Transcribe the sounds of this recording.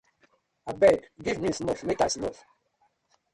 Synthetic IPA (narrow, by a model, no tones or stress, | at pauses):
abɛkɡivmĩsnɔfmekasnɔ̰f